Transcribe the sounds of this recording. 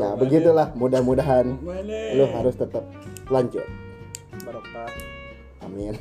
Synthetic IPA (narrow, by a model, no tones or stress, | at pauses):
nabəɡit̪ulahmudahmudaɦanlʊɦaɾʊst̪ət̪ap̚laɲt͡ʃʊ̰t̚ | məɾapa | a̰min